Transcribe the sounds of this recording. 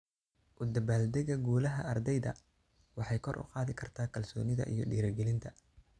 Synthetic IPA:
ʔʊd̪ɐbaːld̪ɛɣɐɡuːlɐɦɐɐrd̪ɛjðɐ̰ | wɑħɑjkʰɔrʔʊ̰qɑːðɪkʰɐrt̪ʰaːkʰɐlsɔːnɪðɐ̰ʔḭjɔɗiːɾɐɡɛlɪnt̪ʰɐ

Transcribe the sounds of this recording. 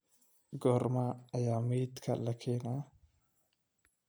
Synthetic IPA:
ɡɔɾmaɐjamit̪kʰa̰lːɐkʰena

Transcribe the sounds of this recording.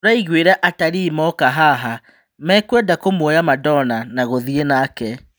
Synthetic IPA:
ɾaiɣweɾɛʔataɾimɔkaɦaɦa | mɛːkwɛdakomɔjamadɔnanaɣoðienaːkɛ

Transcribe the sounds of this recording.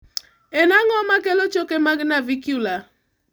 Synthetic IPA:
enaŋɔmakelot͡ʃokemaɡnavikjula

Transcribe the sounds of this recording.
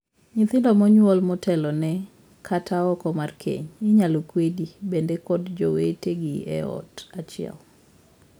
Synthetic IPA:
ɲɪt̪ɪndɔmɔɲwɔlmɔtʰɛlɔnɛ | kʰatʰaɔkɔmarkʰḛɲɪɲalokwedibendekɔdd͡ʒɔweteɡiɛ̰ɔ̰tat͡ʃɪɛ̰l

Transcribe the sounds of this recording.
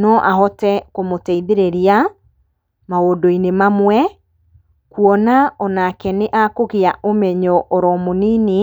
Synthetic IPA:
nɔʔaɦɔtɛkomotɛiðeɾeɾia | maodoinemamwɛ | kuɔnaɔnakɛneʔakoɣiaʔomɛɲɔʔɔɾɔmoniːne

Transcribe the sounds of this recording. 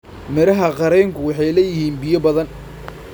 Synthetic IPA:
mɛɾɐɦɐqɑɾɛŋkʰʊwɑħɑjlɛjɪhiːnbɪjɔbɐðɐn

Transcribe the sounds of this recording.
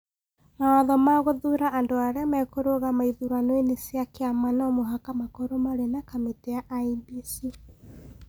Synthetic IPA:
maɔðɔmaɣoðuɾaʔːndoaɾeamɛkoɾoɣamaiðuɾanweneseakeamanɔmoɦakamakoɾomaɾenakametɛjaʔaibisi

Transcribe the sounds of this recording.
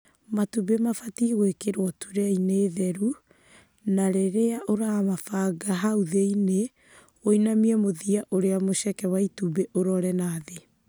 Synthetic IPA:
matubemafatiɣwekeɾwɔtuɾɛaineːðɛɾu | naɾeɾeaʔoɾamafaɡaɦauðeine | oinamiɛmoðiaʔoɾeamoʃɛkɛwaitubeʔoɾɔɾɛnaðe

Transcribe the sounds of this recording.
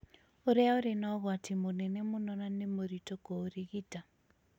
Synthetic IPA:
uɾɛaoɾenaɣwatimunɛnemunɔnanemuɾitɔkoːɾiɣita

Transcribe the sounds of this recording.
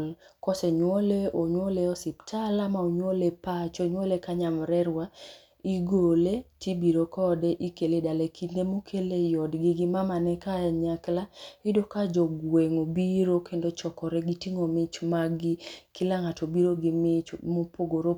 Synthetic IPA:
lkɔsɛɲwɔleʔoɲwoleɔsɪptʰalamaoɲwolepat͡ʃoɲwolekaɲamɾɛɾwa | iɡoletibiɾokɔdɛʔikeledalekʰinemokʰelejɔdɡɪɡɪmamanɛkaɲaklaidokad͡ʒɔɡweŋobiɾokʰendot͡ʃɔkɔɾɛɡitiŋomɪt͡ʃmaɡɪkilaŋatobiɾoɡɪmɪt͡ʃmopoɡoɾo

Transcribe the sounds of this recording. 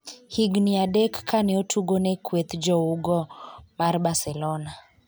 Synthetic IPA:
hiɡniadɛkːʰanɛotʰuɡonɛkʰwet̪d͡ʒɔuɡɔmarbasɛlɔna

